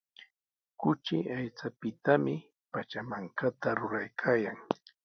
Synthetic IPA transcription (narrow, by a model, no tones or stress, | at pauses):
kʊt͡ʃɪʔajt͡sapɪt̪amɪ | pat͡ʃamaŋkat̪aɾʊɾajkʰaːjaŋ